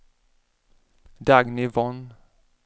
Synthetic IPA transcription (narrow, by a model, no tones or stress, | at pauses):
d̪ɑːɡnivɔn